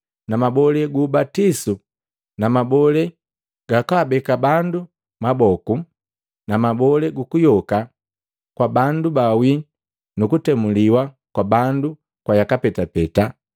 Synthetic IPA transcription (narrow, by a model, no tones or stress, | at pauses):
namabɔlɛɡuːbatisu | namabɔlɛ | ɡ̥akabɛkabandu | mabɔku | namabɔlɛɡukujɔka | kwabandubawi | nukutɛmuliwa | kwabandu | kwajakapɛtapɛta